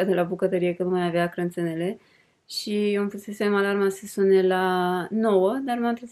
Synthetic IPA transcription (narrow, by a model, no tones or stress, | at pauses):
ad̪e̞labukət̪əɾijekənumajaveakɾənt̪senele̞ | ʃiomfusesemalarmasəsunelano̞wəd̪armamt̪ɾe